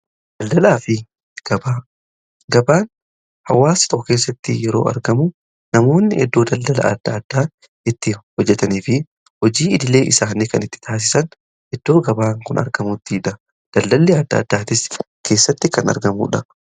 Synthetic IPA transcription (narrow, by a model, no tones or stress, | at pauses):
d̪̥ɐld̪ɐlaːfɪ | ɡ̥ɐbaː | ɡɐbaːn | hɐwːaːsɪ̥t̪ɔkːɔke̞ːs̬ːɐt̪ːɪjɛɾo̞̰ːɐ̰ɾɡɐmu | nɐmo̞ːnːɪɛd̪ːo̞ːd̪ɐld̪ɐlɐ̰ɐ̰d̪̥ːɐːd̪̥ːaː | ɪt̪ːɪhɔd͡ʒːɛt̪ɐniːfɪ | hɔd͡ʒiːɪd̪ɪle̞ːʔɪsaːnːɪkɐnɪt̪ːɪ̥t̪ʰaːs̬ɪ̥sɐn | ʔɛd̪̥ːo̞ːɡɐbaːŋkʊnʔɐ̰ɾɡɐmut̪ːiːᶑɐ | d̪̥ɐld̪ɐlːeːɐd̪ːɐ̰ːd̪ːaːt̪ɪs | kʰe̞ːsːɐt̪ːɪkɐnɐ̰ɾɡɐmṵːᶑɐ